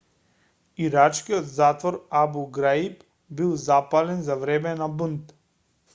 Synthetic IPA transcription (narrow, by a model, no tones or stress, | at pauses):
iɾat͡ʃkijɔt̪zat̪vɔɾabuɡɾaip | bilˠzapalɛnzavɾɛmɛnabunt̪